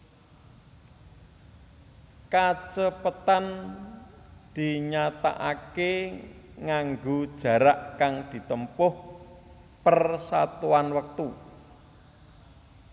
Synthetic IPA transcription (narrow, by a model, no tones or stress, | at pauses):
kat͡ʃəpət̪an | d̪̥i̤ɲat̪a̰ʔake | ŋaŋɡod̥ʒ̥ä̤ɾaʔkaŋd̪̥i̤t̪əmpʊh | pərsat̪uanwək̚t̪u